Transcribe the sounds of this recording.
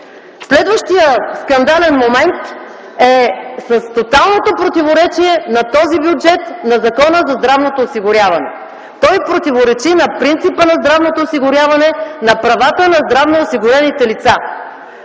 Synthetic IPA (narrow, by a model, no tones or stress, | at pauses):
slɛd̪vəʃt̪ijəskɐnd̪alɛnmomɛnt̪ | ɛsɐst̪ot̪alˠnot̪opɾot̪ivoɾɛt͡ʃiɛnɐt̪ɔzibjud͡ʒɛt̪nɐzɐkɔnəzɐzd̪ɾavnot̪oːsiɡʊɾʲjavɐnɛ̰ | t̪ɔjpɾot̪ivoɾɛt͡ʃinɐpɾint̪sipənɐzd̪ɾavnot̪oːsiɡʊɾʲjavɐnɛnɐpɾɐvat̪ənɐzd̪ɾavnoːsiɡʊɾɛnit̪ɛlit̪sa